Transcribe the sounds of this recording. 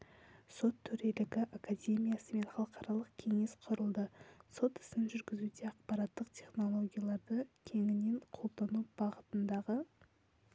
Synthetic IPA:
so̞t̪ʰːɵɾe̞lɪɡʲɪʔakadʲe̞mʲijasəme̞nχɑlˠəqɑɾɑlˠəqkʲʰe̞ŋe̞sqʰʊɾəlˠd̪əso̞t̪ɪ̥sɪnʒʏɾɡʲɪzud̪e̞ɑqpɑɾɑt̪ːəqt̪ʲʰe̞χno̞lˠo̞ɡʲijalˠɑɾd̪əkʲʰe̞ŋɪne̞ɴqʰo̞lˠd̪ɑnubɑʁət̪ənd̪ɑʁə

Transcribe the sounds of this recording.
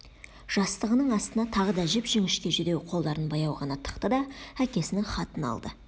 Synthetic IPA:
ʒ̥ɑst̪əʁənəɴɑst̪ənɑt̪ʰɑʁəd̪ɑʒɪpʒʏŋɪʃkʲe̞ʒʏd̪e̞wqʰo̞lˠd̪ɑɾənbɑjɑwʁɑnɑt̪ʰə̥qt̪əd̪ɑækʲe̞sɪnɪχɑt̪ənɑ̰lˠd̪ə

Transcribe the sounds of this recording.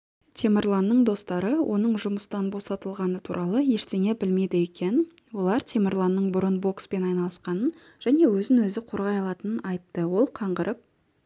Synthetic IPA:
t̪ʲʰe̞meɾlˠanːəɴd̪o̞st̪ɑɾəwʔo̞̰nəɴʒʊməst̪ɑnbo̞sɑt̪əlˠʁɑnət̪ʰuɾʔɑlˠəje̞ʃt̪e̞ŋe̞bɪlme̞jd̪ɪekʲe̞nwo̞lˠɑɾt̪ʲʰemʲeɾlˠanːəɴbʊɾənbo̞kspe̞nɑjnɑlˠəsqɑnən | ʒ̥æne̞wɵzɪŋwɵzɪqʰo̞ɾʁɑjɑlˠɑt̪ənənɑjt̪ːəwo̞lˠqʰɑɴʁəɾʔəp̚

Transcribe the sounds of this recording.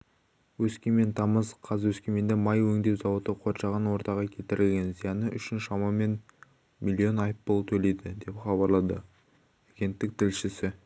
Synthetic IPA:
wɵskʲeme̞nt̪ʰɑməzqʰɑzwɵskʲeme̞nd̪ɪmɑjwɵŋd̪e̞wzɑwot̪əqʰo̞ɾʃɑʁənwo̞ɾt̪ɑʁɑkʲʰet̪ɪɾɪlʲɡʲe̞nzijɑnəʔʏ̰ʃɪnʃɑmɑme̞n | mʲilʲːio̞nɑjpbolˠt̪ʰɵle̞jd̪ɪd̪e̞pχɑbɑɾlˠɑd̪ə | aɡʲe̞nt̪ːɪk̚t̪ʰɪlʃɪsɪ

